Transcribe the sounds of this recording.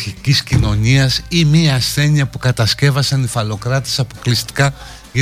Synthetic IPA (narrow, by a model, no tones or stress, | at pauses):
çiciscino̞ɲiɐsimiɐːsθe̞ɲiɐpukɐt̪ɐsce̞vɐsɐnifɐlo̞kɾɐt̪esɐpo̞klist̪i̥kɐ | ʝɐ